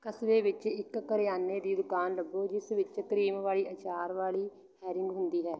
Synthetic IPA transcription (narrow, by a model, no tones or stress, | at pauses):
kəsʋeːʋɪt͡ʃɪkːəɾɪjaːnːeːd̪iːd̪ʊkaːnləbːoːd͡ʒɪsʋɪt͡ʃkəɾiːmʋaːɭiːʔət͡ʃaːɾʋaːliː | hɛːɾɪŋɡɦʊnd̪iːɦɛː